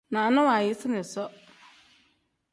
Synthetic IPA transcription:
nã˨nʊ̃˦wa˨jɪ˦sɪ˦nɪ̃˨sɔ˦

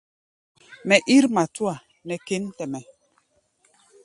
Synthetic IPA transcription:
mɛ˨ʔi˦ɾma˨tu˦a˨ | mɛ˨ke˦n˦tɛ˨mɛ˨

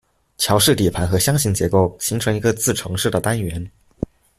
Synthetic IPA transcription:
t͡ɕʰjɑ˧˥ʊʂɻ̩˥˩t̪i˨˩pʰa˧˥nxɤ˧˥ɕjɑ˥ŋɕi˧˥ŋt͡ɕjɛ˧˥ko˥˩ʊɕi˧˥ŋʈ͡ʂʰɤ˧˥ŋi˧˥ɡə˧t͡sɹ̩˥˩ʈ͡ʂʰɤ˧˥ŋʂɻ̩˥˩d̪ə˩t̪a˥nɥɛ˧˥n

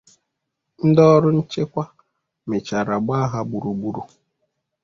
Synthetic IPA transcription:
n̩˦dɔ˦ɾʊ˦n̩˦t͡ʃe˦kʷa˦ | me˨t͡ʃa˨ɾa˨ɡ͡ba˦ɦa˦bu˨ɾu˨ɡ͡bu˦ɾu˨

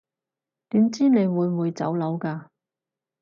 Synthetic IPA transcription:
t̪iː˨˥mt͡siː˥ne˨˧jwuː˨˧jwuː˨˧jt͡sɐ̰˨˥wlɐ˨˧˥wkaː˧

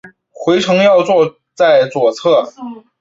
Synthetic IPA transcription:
xwe˧˥ɪʈ͡ʂʰɤ˧˥ŋjɑ˥˧ʊt͡swɔ˥˧ | t͡sa˥˩ɪt͡swɔ˨˩t͡sʰɤ˥˩

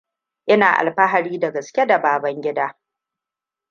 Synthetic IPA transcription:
ʔɪ˦naː˨ʔa̰˨lɸɐ˦ɦa˨ɽiː˦da˨ɡɐ˨skʲe˦da˨baː˨bɐ˦ŋɡʲɪ˦daː˦

